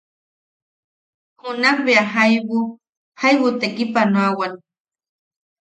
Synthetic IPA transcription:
hʊnaχbeaɦajbʊ | hajβʊt̪ekɪpanwawan

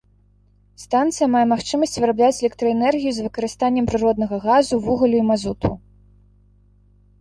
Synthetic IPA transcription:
st̪ant̪sɨjɐmajɛmaxt͡ʂɨmɐsʲt͡sʲvɨɾablʲat͡sʲɛlʲɛk̚t̪ɾɐɛnɛrɣʲijuzvɨkɐɾɨst̪anʲːɛmpɾɨɾɔd̪nɐɣɐɣazuvuɣɐlʲuimazut̪ʰṵ

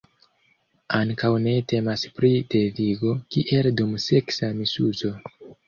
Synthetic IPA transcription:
aŋkawne̞te̞maspɾide̞viɡo̞kiʔe̞ldumse̞ksamisuzo̞

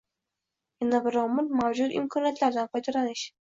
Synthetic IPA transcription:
janabɪɾɒmɪlmawd͡ʒʊt̪ɪ̰mkʰɒnijat̪laɾd̪anqʰɒjt̪ʰaɾanɪʃ

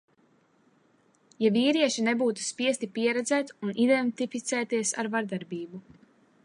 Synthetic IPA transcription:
javiːɾiɛʃinebuːt̪u̥spiɛst̪ipiɛɾɛd̪zɛːt̪unʔid̪ɛnt̪ifit̪sɛːt̪iɛsa̰ɾvaɾd̪aɾbiːbu

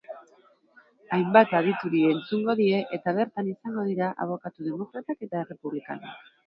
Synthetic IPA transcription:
ajmbat̪að̞it̪uɾie̞nt͡suŋɡo̞ðie̞ʔet̪aβ̞e̞ɾt̪anisaŋɡo̞ð̞iɾaʔa̰β̞o̞kat̪uðe̞mo̞kɾat̪ake̞t̪aere̞puβlika̰na̰k

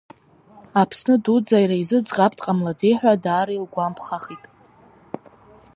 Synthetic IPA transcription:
apʰsnɨdud͡zajraizɨd͡zʁapʰʼtʼqʼamlad͡zejħᶣʷadaːɾilɡʷampʰχaχitʼ

